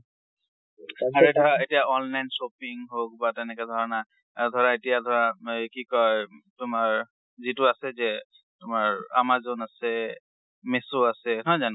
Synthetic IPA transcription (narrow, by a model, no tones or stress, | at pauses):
aɹuedʱɔɹaetijaɔnlajnsopiŋɦok̚batɛnɛkɛdʱɔɹɔna | aɹud̪ʱɔɹaetijadʱɔɹakikɔjtʊmaɹ | zitʊasɛzɛ | tʊmaɹa̰mazonasɛ | mesoasɛɦɔjzan